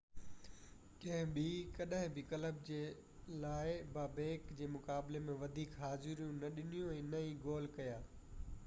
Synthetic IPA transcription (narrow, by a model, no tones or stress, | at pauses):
kɐ̃ɦɪ̃bʱikɐɗəɦɪ̃bʱɪkɐləb̚d͡ʑeː | laːɪbaːbeːkd͡ʑeːmʊkaːblemẽʋɐd̪ʱiːkɦaːzɪɾijũnɐɗɪnijũɛ̃ːnɐĩːɡoːlkɐjaː